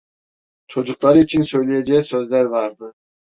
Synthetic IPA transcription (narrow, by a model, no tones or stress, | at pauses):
t͡ʃʰo̞d͡ʒuq̚t̪ɑɾit͡ʃʰinsøjlejd͡ʒesøzd̪eɾbɑɾd̪ɯ